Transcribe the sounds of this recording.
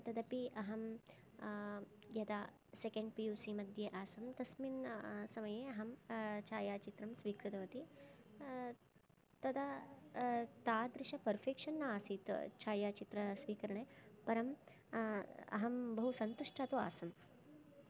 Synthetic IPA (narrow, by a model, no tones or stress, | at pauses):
t̪ɐd̪ɐpiʔɐɦɐm | jɐd̪aː | sekɐɳɖpijuːsimɐd̪ʱjeʔaːsɐmt̪ɐsminsɐmɐjeːɐɦɐmt͡ʃʰaːjaːt͡ʃit̪ɾɐmsʋiːkɾɪt̪ɐʋɐt̪i | t̪ɐd̪ɐ | t̪aːd̪ɾɪʃɐpɐɾfʰeːkʂɐnːɐaːsit̪t͡ʃʰaːjaːt͡ʃit̪ɾɐsʋiːkɐɾɐɳepɐɾɐm | ɐ̰ɦɐmbɐɦusɐnt̪uʂʈʰaːt̪ua̰ːsɐm